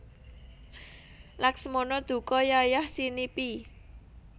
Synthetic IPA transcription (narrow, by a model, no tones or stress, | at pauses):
laksmɔnɔd̪̥ṳkɔjajahsinipi